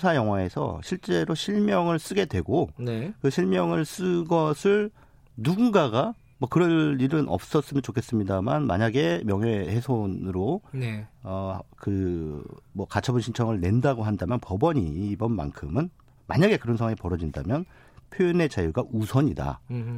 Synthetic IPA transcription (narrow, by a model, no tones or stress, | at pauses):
sʰajʌŋɦwae̞sʰʌ̰ɕʰiɭt͡ɕ͈e̞ɾoɕʰiɭmjʌŋɯɭs͈ɯɡe̞dwe̞ɡonekɯɕʰiɭmjʌŋɯɭs͈ɯɡʌsʰɯɭ | nunɡaɡa | mwʌkɯɾʌniɾɯnʔʌ̰p̚s͈ʌs͈ɯmjʌnt͡ɕokʰe̞s͈ɯmɲidamanma̰ɲaɡe̞mjʌŋɦehesʰonɯɾo | ʌkɯ | mwʌkat͡ɕʰʌbɯnɕʰint͡ɕʰʌŋɯɭne̞ndaɡoɦandamjʌnpʌbʌɲiːbʌnma̰ŋkʰɯmɯn | ma̰ɲaɡe̞kɯɾʌnsʰʌwaŋepʌɾʌd͡ʑinda̰mjʌn | pʰjojine̞t͡ɕajuɡaʔusʰʌɲida̰